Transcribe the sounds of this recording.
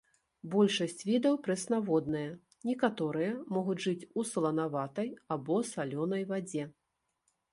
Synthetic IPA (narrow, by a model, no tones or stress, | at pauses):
bɔlʲʂɐsʲt͡sʲvʲid̪ɐwpɾɛsnavɔd̪nɐjɐ | nʲɛkat̪ɔɾɨjɐmɔɣud͡zʲʐɨt͡sʲuslˠɐnavat̪ɐjabɔsalʲɔnɐjvad͡zʲɛ